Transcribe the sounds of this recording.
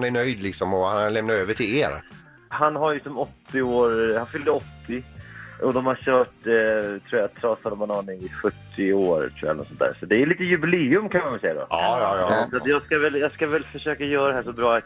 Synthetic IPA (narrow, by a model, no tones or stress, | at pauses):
næɳœjd̪lɪksɔmɔhanalɛmnaɾøːvəʈʰɪleːɾ | hanːɦaɾjɵsɔmɔt̪ːɪoːɾhanfʏld̪əɔt̪ʰːɪʔɔd̪ɔmhaɕœːʈt̪ʰɾuːjat̪ʰːɾɑːshalbanɑːnɪɪɧɵʈ̪ʰːɪoːɾt̪ʰɾṵːa̰lnɔt̪sɔnt̪æ̰ːɾsɔt̪d̪ɛɭiːt̪əjɵbɪleːɵmkʰanmanvɪlsɛjːad̪ɔ̰ɑːjɑːjɑsɔat̪jɑːɡskavɛljɑːɡskavɛlfœʂøːkajœːɾad̪ɛɦæːʂɔbɾɑːat̪